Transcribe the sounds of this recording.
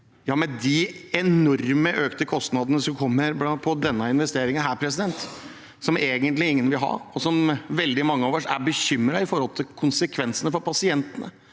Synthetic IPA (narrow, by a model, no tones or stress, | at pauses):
jɑːmɛd̪ɪɛnɔɾməʔøːkt̪əkʰɔst̪nɑd̪ənəsɔmkʰɔmːəɾblɑpʰɔd̪ɛnːəɪnʋɛst̪eːɾɪŋənɦæːɾpʰɾɛsɪd̪ɛnt̪ | sɔmeːɡənt̪lɪɪŋːənʋɪlɦɑ̰ɔsɔmʋɛld̪ɪmɑŋːəoːʋəʂæ̰ɾbəçʏmːɾɑɪfɔɾhɔlt̪ʰɪlkʰʊnsəkʰʋɛnsənəfɔɾpʰɑsɪɛnt̪ənə̰